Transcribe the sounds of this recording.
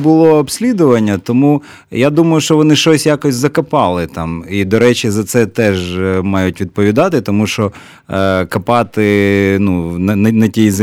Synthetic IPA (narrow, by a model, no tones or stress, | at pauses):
bʊlˠɔːbsʲlʲid̪ʊʋɐnʲːɐt̪ɔmu | jad̪umɐjʊʃt͡ʃɔʋɔnɪʃt͡ʃɔsʲjakɔsʲzɐkɐpɑlˠɪt̪ɑmid̪ɔɾɛt͡ʃɪzɐt̪sɛt̪ɛʒmɑjʊtʲʋʲid̪̚pɔʋʲid̪ɑt̪ɪt̪ɔmuʃt͡ʃɔ | kɐpɑt̪ɪnunɐnɐnɐtʲijzɪ